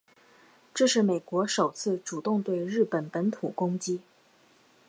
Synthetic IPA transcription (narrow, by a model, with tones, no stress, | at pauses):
ʈ͡ʂɤ˥˧ʂɻ̩˥˩me˨˩ɪkwɔ˧˥ʂo˨˩ʊt͡sʰɹ̩˥˩ʈ͡ʂu˨˩t̪ʊ˥˧ŋt̪we˥˧ɪɻɻ̩˥˩pə˨˥npə˧˥nt̪ʰu˨˩kʊ˥ŋt͡ɕi˥